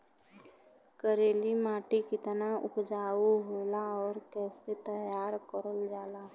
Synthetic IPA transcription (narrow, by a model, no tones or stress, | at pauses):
kəɾeːlimaːʈikɪt̪ənaʊ̰pd͡ʒaːuɦoːlaɔːɾkɛːset̪əjaːɾkəɾəld͡ʒaːla